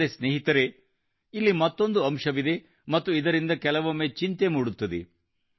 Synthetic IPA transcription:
ɾesneːɦit̪ɐɾe | ilːimɐt̪ːo̞nd̪uɐmʂɐʋid̪e̞ | mɐt̪ːuid̪ɐɾind̪ɐkɛlɐʋɐmːeːt͡ʃint̪e̞muːɽut̪ːɐd̪ḛ

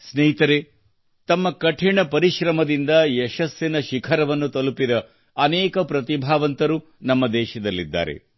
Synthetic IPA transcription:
sneɦit̪ɐɾe | t̪ɐmːɐkɐʈʰiɳɐpɐɾiʃɾɐmɐd̪ind̪ɐjɛʃɐsjɐnɐʃikʰɐɾɐʋɐnːut̪ɐlupid̪ɐː | nɛːkɐpɾɐt̪ibʱaːʋɐnt̪ɐɾu | nɐmːɐd̪ɛːʃɐd̪ɐlːḭd̪ːa̰ːɾḛ

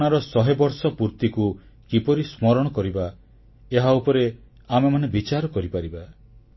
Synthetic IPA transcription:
ɽ̃aɾɔsɔɦebɔɾsɔpuɾt̪iku | kipɔɾismɔɾɔɽ̃ɔkɔɾiba | eɦaupɔɾe | amemanebit͡ʃaɾɔkɔɾipaɾiba

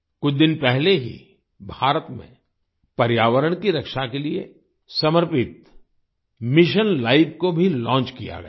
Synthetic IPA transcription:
kʊt͡ʃʰd̪ɪnpɛɦleɦḭ | bʱaːɾət̪mḛ̃ | pɐɾjaːʋəɾəɽ̃kiɾɐkʃakeliḛ | sɐməɾpɪt̪ | mɪʃənlaːɪbkobʱilɔ̃ːnt͡ʃkija̰ɡɐja

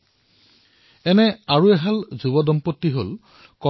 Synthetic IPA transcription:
ɛnɛaɹuɛɦalzubɔdɔmpotːiɦol | kɔ

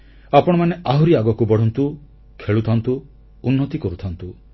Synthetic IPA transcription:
apɔɽ̃ɔmaneʔaɦuɾiaɡɔkubɔɽɔnt̪u | kʰeɭut̪ʰɔnt̪uː | nːɔt̪ikɔɾut̪ʰɔnt̪u

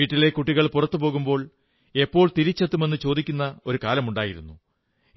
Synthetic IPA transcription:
iːʈːile̞kuʈːiɣɐɭpurɐt̪ːupo̞ːɣumbo̞ːɭ | e̞pːo̞ːɭt̪iɾit͡ɕːɐt̪ːume̞nːɨt͡ɕo̞ːd̪ikʲːunːɐo̞ɾukaːlɐmuɳɖaːjiɾṵnːu

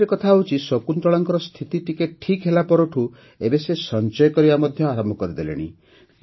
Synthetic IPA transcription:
ɾekɔt̪ʰaut͡ʃʰisɔkunt̪ɔɭɔŋkɔɾɔst̪ʰit̪it̪ikeʈʰikɦelapɔɾuʈʰu | ebesesɔnt͡ʃɔjɔkɔɾibamɔd̪ʱjɔaɾɔmbɔkɔɾid̪elḛɽ̃ḭ

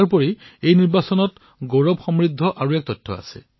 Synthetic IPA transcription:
ɹp̬ɔɹiejniɹbasɔnɔt | ɡoɹɔbxɔmɹid̪ʱːɔʔaɹuɛk̚tɔjtʰːɔ̰a̰sɛ̰

